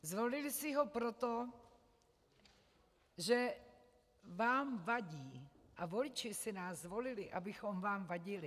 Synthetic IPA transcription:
zvo̞lɪlɪsɪɦo̞pɾot̪o | ʒɛ | vaːmvaɟiːʔavo̞lɪt͡ʃɪsɪnaːszːvo̞lɪlɪʔa̰bɪxo̞mvaːmvaɟɪlɪ

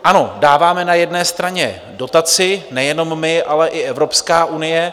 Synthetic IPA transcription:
ʔano̞daːvaːmɛnajɛdnɛːst̪ɾaɲɛ̰ | do̞t̪at͡sɪnɛjɛno̞mːɪʔalɛʔɪʔɛvɾo̞pskaːʔunɪjɛ

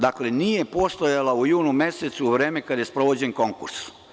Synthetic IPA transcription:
d̪akle̞nije̞po̞st̪ojalaujuːnume̞set̪suːʋɾe̞ːmekad̪aje̞spɾo̞ʋo̞d͡ʑenko̞ŋkṵɾs

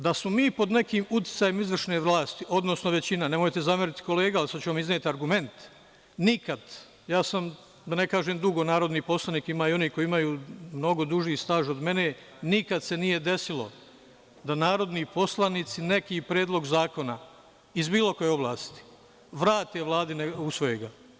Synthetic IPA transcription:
d̪asmo̞miːpo̞d̪ne̞kiːmut̪i̥t̪saːjemizʋr̩ʃneʋlˠaːst̪iʔo̞d̪no̞sno̞ʋe̞t͡ɕinane̞mo̞jt̪e̞zameɾit̪i̥ko̞leːɡaalisat͡ɕeamizneːt̪iaɾɡume̞nt̪ | nikad̪ | jaːsam | d̪ane̞kaːʒeːmd̪uɡo̞naːɾo̞d̪niːpo̞slaniːkimaːio̞niːko̞iimajuːmno̞ɡo̞d̪uʒiːst̪aːʒod̪me̞ne̞ | nikad̪se̞nije̞d̪e̞silˠo̞̰ | d̪anaːɾo̞d̪niːpo̞slaniːt̪sine̞kipɾeːd̪lˠo̞ɡzaːko̞na | izbiːlo̞ko̞jeo̞blˠaːst̪i̥ | ʋɾaːt̪eʋlˠaːd̪ineusʋo̞jeɡa

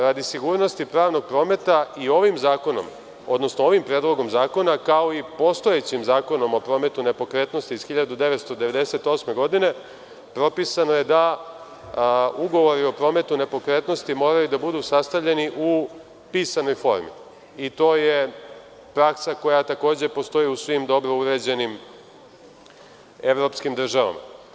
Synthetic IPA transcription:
ɾad̪isiɡuːɾno̞st̪ipɾaːʋno̞ɡ̚pɾo̞ːme̞t̪aio̞ʋimzaːko̞no̞̰m | o̞̰d̪no̞snoo̞ʋimpɾed̪lˠo̞ɡo̞mzaːko̞nakao̞ipo̞st̪ojet͡ɕimzaːko̞no̞mo̞pɾo̞me̞t̪une̞po̞kɾe̞t̪no̞st̪iːz̥xiʎad̪ud̪e̞ʋet̪st̪od̪eʋe̞d̪e̞se̞t̪o̞ːsme̞ɡo̞d̪ine̞ | pɾo̞pisano̞je̞d̪a | uɡo̞ʋo̞ɾio̞pɾo̞ːme̞t̪une̞po̞kɾe̞t̪no̞st̪imo̞ːɾajud̪abud̪usast̪aʋʎe̞niʔu | piːsano̞jfo̞̰ɾmḭ | it̪o̞ːje | pɾaksako̞jat̪ako̞ːd͡ʑe̞po̞st̪o̞iusʋimd̪o̞bɾo̞uɾe̞d͡ʑe̞nim | e̞ʋɾo̞pskimd̪r̩ʒaʋa̰ma̰

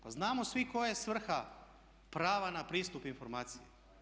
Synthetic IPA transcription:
paznaːmosʋiko̞jesʋr̩xa | pɾaːʋanapɾiːst̪upinfo̞ɾmaːt̪sije

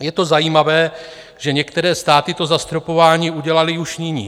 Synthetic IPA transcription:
jɛt̪o̞zajiːmavɛː | ʒɛɲɛkt̪ɛɾɛːst̪aːt̪ɪt̪o̞zast̪ɾopo̞vaːɲiːʔuɟɛlalɪuʃɲɪɲiː

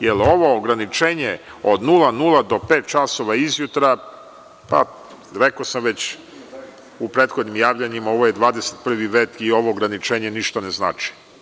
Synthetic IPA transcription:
jelo̞ʋo̞ːɡɾanit͡ʃeːɲe̞od̪nulˠanulˠad̪o̞pe̞ːt̪̚t͡ʃaso̞ʋaizjut̪ɾa | pa̰ | ɾekosamʋe̞t͡ɕ | upɾe̞ːt̪xod̪nimjaːʋʎaɲimao̞ʋojed̪ʋaːd̪eset̪pr̩ʋiʋe̞ːt̪io̞ʋo̞ːɡɾanit͡ʃe̞ːɲe̞niʃt̪anezna̰ːt͡ʃi̥

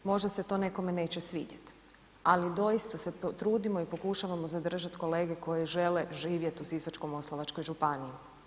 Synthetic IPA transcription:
mo̞ʒd̪ase̞t̪o̞ːne̞ko̞me̞ne̞ːt͡ɕesʋḭːɟet̪ | alid̪o̞jist̪ase̞t̪ɾuːd̪imo̞ipo̞kuʃaʋamozad̪r̩ʒat̪ko̞le̞ːɡe̞ko̞jeʒe̞le̞ʒiːʋje̞t̪usisot͡ʃkomo̞slˠoʋat͡ʃko̞jʒupanii

